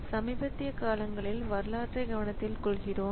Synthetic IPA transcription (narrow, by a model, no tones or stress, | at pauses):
sɐmiːbɐt̪ːɪjɐkaːlɐŋɡɐɭɪlʋɐɾlaːʈrɐɪɡɐʋɐɳɐt̪ːɪlkɔɭɣɪroː